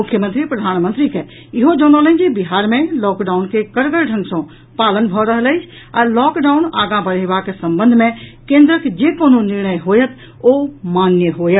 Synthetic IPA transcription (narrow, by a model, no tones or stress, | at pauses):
ʊkʰːjəmənt̪ɾipɾəd̪ʱaːnmə̃nt̪ɾike | ɪɦod͡ʒɔ̃ːnolə̃d͡ʒibɪɦaːɾmẽlɔːkɖaːʊnkekəɾɡəɾɖʱə̃ŋɡsɔ̃ | paːlənbʱɔɾəɦələɪt͡ʃʰ | ɔːɾlɔːkɖaːʊnaːɡãbəɾeʋakesə̃mbə̃nd̪ʱmẽkẽːnd̪ɾəkd͡ʒeːkoːnũnɪɾɳəjɦoːjət̪ | omaːnjəɦoːjə